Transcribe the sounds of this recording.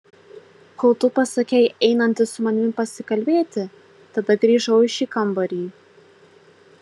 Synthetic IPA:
kɔlˠt̪ʊpɐsɐkʲɛɪʔɛɪnɐnʲt̪ʲɪsʊmɐnʲɪpɐsʲɪkɐlʲbʲeːt̪ʲɪ | t̪ɐd̪ɐɡɾʲiːʒɐʊɪʃʲiːkɐmbɐɾʲiː

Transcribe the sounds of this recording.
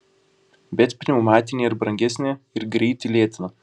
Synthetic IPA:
bʲɛt̪pʲnʲɛʊmɑːt̪ʲɪnʲeːɪɾbɾɐ̃ŋʲɡʲɛsʲnʲeːɪɾɡɾʲɛɪt̪ʲɪlʲiɛt̪ʲɪnɐ

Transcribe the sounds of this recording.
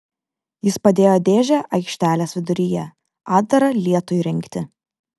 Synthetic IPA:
jɪspɐd̪ʲeːjoːd̪ʲeːʒʲɛʔɐɪkʃʲt̪ʲæːlʲeːsʋʲɪd̪ʊɾʲɪjɛ | ɑːd̪̚d̪ɐɾɐlʲiɛt̪ʊjɾʲɪŋʲkt̪ʲɪ

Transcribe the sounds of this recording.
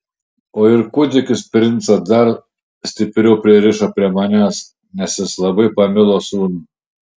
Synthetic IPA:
oːɪɾkʊd̪ʲɪkʲɪspʲɾʲɪnt̪sɐd̪ɐɾ | sʲt̪ʲɪpʲɾʲɛʊpʲɾʲiɛɾʲɪʃopʲɾʲiɛmɐnʲæːs | nʲɛsʲjɪslˠɐbɐɪpɐmʲɪlˠoːsuːn

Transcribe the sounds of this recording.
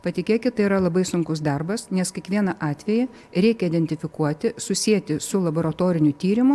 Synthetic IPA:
pɐt̪ʲɪkʲeːkʲɪt̪t̪ɐɪiːɾɐlˠɐbɐɪsʊŋkʊsd̪ɐrbɐsnʲɛskʲɛkʋʲiɛnɐʔɑːt̪ʲʋʲɛjɛ | ɾʲɛɪkʲɛid̪ʲɛnʲt̪ʲɪfʲɪkuɔt̪ʲɪsʊsʲiɛt̪ʲɪsʊlˠɐboːɾɐt̪oːɾʲɪnʲʊt̪ʲiːɾʲɪmʊ

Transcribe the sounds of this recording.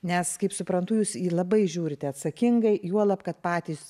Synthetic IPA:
nʲɛskɐɪpsʊpɾɐnt̪ʊjuːsiːlˠɐbɐɪʒʲuːɾʲɪt̪ʲɛɐt̪sɐkʲɪŋɡɐɪjuɔlˠɐpkɐt̪pɑːt̪ʲiːs

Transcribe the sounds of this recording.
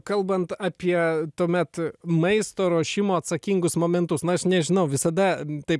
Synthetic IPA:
kɐlˠbɐnt̪ɑpʲiɛt̪uɔmʲɛt̪mɐɪst̪oːɾoːʃʲɪmoːɐt̪sɐkʲiŋɡʊsmoːmʲɛnt̪ʊsnʊɐʃnʲɛʒʲɪnɐʊʋʲɪsɐd̪ɐt̪ɐɪp

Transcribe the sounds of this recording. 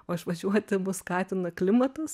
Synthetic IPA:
oːɪʃʋɐʒʲuɔt̪ʲɪmʊskɑːt̪ʲɪnɐklʲɪmɐt̪ʊs

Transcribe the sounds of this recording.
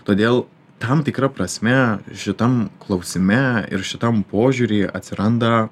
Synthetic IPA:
t̪oːd̪ʲeːlˠ | t̪ɐmt̪ʲɪkɾɐpɾɐsʲmʲɛʃʲɪt̪ɐmklˠɒʊsʲɪmʲɛɪ̰ɾʃʲɪt̪ɐmpoːʒʲuɾʲiːɐt̪ʲsʲɪɾɐnd̪ɐ

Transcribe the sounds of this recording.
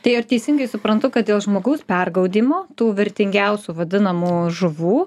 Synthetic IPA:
t̪ɐɪɪɾt̪ʲɛɪsʲɪŋɡɐɪsʊpɾɐnt̪ʊkɐt̪̚d̪ʲeːlˠʒmoːɡɐʊspʲɛrɡɐʊd̪ʲiːmoːt̪uːʋʲɪɾʲt̪ʲɪŋʲɡʲɛʊsʲuːʋɐd̪ʲɪnɐmuːʒʊʋuː

